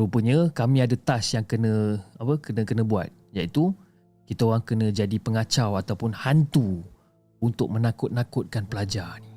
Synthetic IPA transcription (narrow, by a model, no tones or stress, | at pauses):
upəɲə̃kamĩadat̪asjaŋkənə̃apəkənə̃kənə̃bua̰t̪̚jait̪u | kit̪aoʁaŋkənə̃d͡ʒadipəŋat͡ʃawat̪awpʊnhant̪u | unt̪ʊk̚mə̃nakʊt̪̚nakʊt̪̚kanpəlad͡ʒani